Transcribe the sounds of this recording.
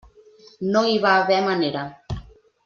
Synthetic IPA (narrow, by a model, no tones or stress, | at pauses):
nõiβaβɛmaneɾa